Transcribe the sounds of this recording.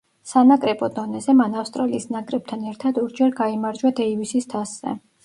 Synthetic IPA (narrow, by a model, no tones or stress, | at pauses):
sanakʼɾɛbɔd̪ɔnɛzɛmanafst̪ʼɾaliisnakʼɾɛb̥̚t̪ʰanɛɾt̪ʰad̪ɔɾd͡ʒɛɾɡaimaɾd͡ʒwad̪ɛivisist̪ʰasz̥ɛ̰